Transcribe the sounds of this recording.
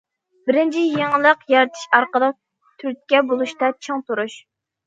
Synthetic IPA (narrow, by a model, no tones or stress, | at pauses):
bɪɾɪnt͡ʃʰijeŋəlˠəqjɑɾɨt̪ʰɪ̥ʃɑɾqəd̪ɑ | t̪ʰyɾt̪̚ʲkʲɛbolˠuʃt̪ɑt͡ʃʰoŋt̪uɾuʃ